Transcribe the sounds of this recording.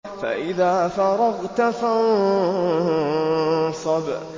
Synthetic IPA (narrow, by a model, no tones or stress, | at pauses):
fa̰ʔɪðaːfaɾˤɑɣt̪afan | sˤɑb